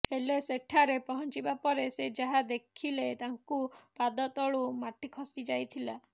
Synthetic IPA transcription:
eleseʈʰaɾepɔɦɔnt͡ʃibapɔɾesed͡ʒaɦad̪ekʰilet̪aŋkupad̪ɔt̪ɔɭumaʈikʰɔsid͡ʒajt̪ʰila

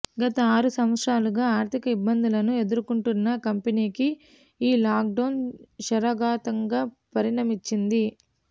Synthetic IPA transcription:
ɡɐt̪ɐaːɾusɐmɐt̪ʂaːluɡaːaːɾt̪ʰikɐibːɐnd̪ulɐnue̞d̪uɾukuɳʈunːɐkɐmpeniːki | iːlaːk̚ɖɐwnʃɐɾɐɡaːt̪ɐŋɡaːpɐɾiɳɐmit͡ʃːind̪i

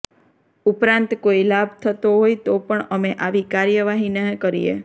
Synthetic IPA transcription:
upɾãnt̪koilabt̪ʰət̪oɦojt̪opəɳəmeʔaʋikaɾjəʋaɦineɦkəɾḭjḛ

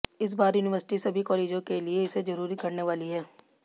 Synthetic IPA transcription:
ɪs̬baːɾjuːnɪʋəɾsɪ̥ʈisɐbʱikɔːleːd͡ʒõkelieɪsed͡ʒɐɾuːɾikɐɾneʋaːliɦɛː

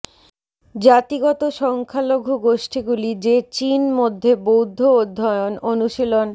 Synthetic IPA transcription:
d͡ʑat̪iɡɔt̪oʃɔŋkʰaloɡʱuɡoʃʈiɡulid͡ʑet͡ɕinmod̪ʱːebowd̪ʱːood̪ʱːɔeononuʃilon

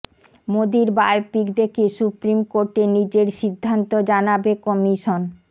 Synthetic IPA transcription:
mod̪iɾbajpikd̪ekesupɾimkoɾʈenid͡ʑeɾʃid̪ʱːant̪od͡ʑanabekɔmiʃon

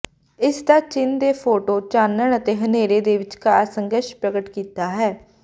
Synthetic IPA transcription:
ɪsd̪aːt͡ʃɪnd̪eːpʰoːʈoːt͡ʃaːnəɳ̃ət̪eːɦəneːɾeːd̪eːʋɪt͡ʃkaːsəŋɡəʃpɾəɡəʈkiːt̪aːɦɛː

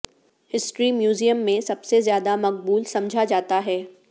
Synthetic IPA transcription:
hɪsʈɾimjuːzijəmːẽsɐbsezjaːd̪amɐk̚buːlsɐmd͡ʒʱad͡ʒaːt̪aɦɛː

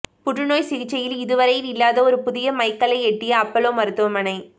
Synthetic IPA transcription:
pʊʈrɯnoːjsɪɣɪt͡ʃːɐjɪlɪðɯʋɐɾɐjɪlɪlːaːðɐɔɾɯpʊðɪjɐmɐɪkːɐlɐɪɛʈːɪjɐɐpːɐloːmɐɾɯt̪ːɯʋɐmɐnɐɪ

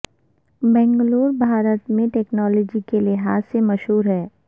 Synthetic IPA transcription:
bɛ̃ːŋɡloːɾbʱaːɾət̪mẽʈɛːknɔːlɔːd͡ʒikelɪɦaːsːemɐʃɦuːɾɦɛː

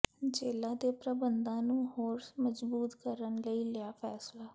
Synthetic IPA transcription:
d͡ʒeːlãːd̪eːpɾəbənd̪ãːnũːɦoːɾsməzbuːt̪kəɾənləiːlɪaːpʰɛːslaː

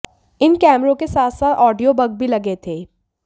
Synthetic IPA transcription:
ɪnkɛːmɾõkesaːt̪ʰsaːt̪ɔːɖijobɐɡ̚bʱilɐɡet̪ʰeː

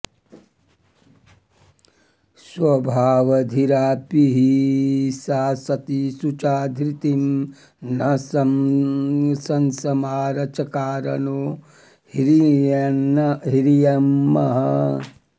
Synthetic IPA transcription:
swɐbʱaːʋɐd̪ʱiɾaːpiɦisaːsɐt̪isut͡ʃaːd̪ʱɾit̪im | nɐs | sɐnsɐmaːɾɐt͡ʃɐkaːɾɐ̰noː | hɾi | ɦiɾijɐmːɐɦɐ

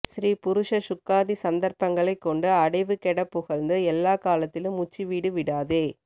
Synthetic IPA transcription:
ʃɾiːpʊɾʊʂɐʃʊkːaːðisɐnd̪ɐɾpɐŋɡɐɭɐɪkːɔɳɖɯɐɽɐɪʋɯkɛɽɐpːʊɣɐɭnd̪ɯɛlːaːkaːlɐt̪ːɪlɯmːʊt͡ʃːiʋiːɽɯʋɪɽaːðeː

